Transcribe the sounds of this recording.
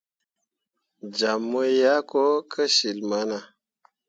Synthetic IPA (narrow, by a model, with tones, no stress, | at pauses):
d͡ʒa˨mːo˦ja˦ko˦kʰə˦si˨lma˨˦na˨